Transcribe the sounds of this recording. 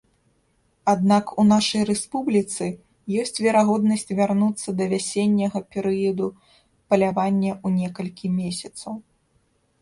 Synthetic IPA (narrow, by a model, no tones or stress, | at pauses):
ad̪nakunaʂɐjrɛspublʲit̪sɨ | jɔsʲt͡sʲvʲɛɾaɣɔd̪nɐsʲt͡sʲvʲarnut̪sːɐd̪ɐvʲasʲenʲːɐɣɐpʲɛɾɨjɐd̪u | pɐlʲavanʲːɐunʲɛkɐlʲkʲimʲesʲɐt̪sɐw